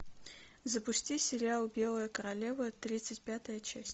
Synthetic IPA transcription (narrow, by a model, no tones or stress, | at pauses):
zəpʊsʲtʲisʲɪɾʲɪalˠbʲe̞lˠəjəkəɾɐlʲevət̪ɾʲit̪sɨtʲpʲat̪əjət͡ɕæsʲtʲ